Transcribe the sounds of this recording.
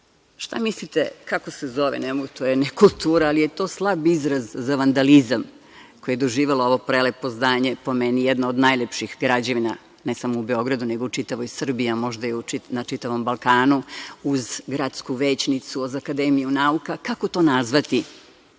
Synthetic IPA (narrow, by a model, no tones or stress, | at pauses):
ʃt̪amislit̪ekako̞sezo̞ʋḛnemoɡut̪ojenekulˠt̪uːɾaːlije̞t̪o̞ːslˠabizɾazːaʋand̪alizam | kojeed̪oʒiːʋeloo̞ʋo̞pɾelepo̞znaːɲe̞po̞menijed̪naod̪najʎepʃixɡɾad͡ʑeʋina | nesamoubeo̞ɡɾad̪une̞ɡout͡ʂit̪aʋo̞jsr̩biamo̞ʒd̪ajeuinat͡ʃit̪aʋo̞mbalˠkaːnuuzɡɾat̪skuʋeːt͡ɕnit̪suozakad̪emijunaukakako̞t̪o̞ːnazʋat̪i